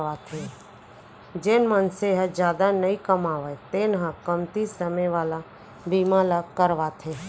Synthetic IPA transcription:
ʋat̪ʰe | d͡ʒeːnmə̃nseɦəd͡ʒjaːd̪anəĩkəmaːʋəjt̪eːnɦãkəmt̪isəmeʋaːla | biːmãlakəɾʋat̪ʰe

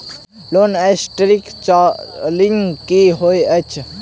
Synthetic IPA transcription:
lonesʈɾikt͡ʃliŋkiɦojət͡ʃʰ

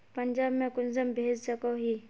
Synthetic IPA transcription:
pəɲd͡ʒaːbmẽkʊnzəmbʱeːd͡ʒɐkoɦiː

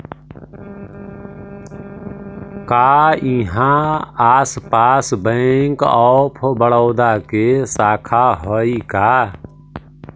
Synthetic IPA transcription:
kaːĩːɦãaːspaːsbə̃ŋkɔːpʰbəɽɔːd̪aːkesaːkʰaɦɔːiːkaː

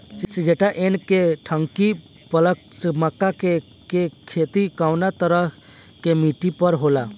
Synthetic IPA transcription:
sid͡ʒeʈaʔenkeʈʰəŋki | pələkt͡ʃməkːake | kekʰeːt̪ikaːwnat̪əɾəɦ | kemiʈipəɾɦola

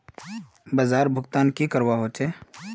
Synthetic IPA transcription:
bəzaːɾbʱʊkt̪aːnkikəɾwaɦoːt͡ʃeː

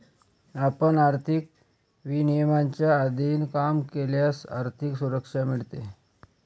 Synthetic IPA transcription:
apəɳaɾt̪ʰik̚ | ʋinijəmaɲt͡ɕjaːd̪ʱiːnkamkeljasa̰ɾt̪ʰiksuɾəkʂamiɭt̪e

